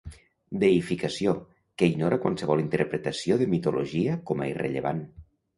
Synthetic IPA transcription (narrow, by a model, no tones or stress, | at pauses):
d̪eifikasio | kəiɡnoɾakwa̰nsəβɔlˠint̪əɾpɾət̪əsioðəmit̪uloʒiəkɔma̰irə̰ʎəβan